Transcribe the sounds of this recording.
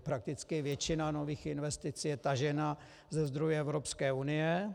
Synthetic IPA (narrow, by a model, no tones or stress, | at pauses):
pɾak̚t̪ɪt͡skɪvjɛt͡ʃɪnano̞viːxɪnvɛst̪ɪt͡sijɛt̪aʒɛna | zɛzd̪ɾojɛɛvɾo̞pskɛːunɪjɛ